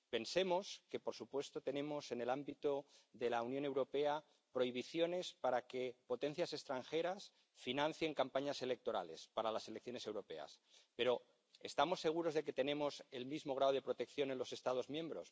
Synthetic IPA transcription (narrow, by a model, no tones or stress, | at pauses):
pe̞nse̞mo̞ske̞po̞ɾsupwe̞st̪o̞t̪e̞nẽ̞mo̞se̞ne̞lambit̪oðe̞launjõ̞ne̞wɾo̞pe̞a | pɾo̞iβ̞iθjo̞ne̞spaɾake̞po̞t̪ẽ̞n̟θjase̞st̪ɾaŋxe̞ɾas | finãn̟θje̞ŋkampaɲase̞le̞k̚t̪o̞ɾa̰le̞spaɾalase̞lek̚θjo̞ne̞se̞wɾo̞pe̞̰a̰spe̞ɾo̞ | est̪amo̞sːe̞ɣ̞uɾo̞zðeke̞t̪e̞nẽ̞mo̞selmizmo̞ɣ̞ɾaðoð̞e̞pɾo̞t̪e̞kθjo̞ne̞nlo̞se̞st̪að̞o̞zmjẽ̞mbɾo̞̰s